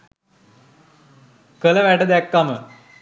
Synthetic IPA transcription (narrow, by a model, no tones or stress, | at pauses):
kələʋæʈəd̪ɛkːamə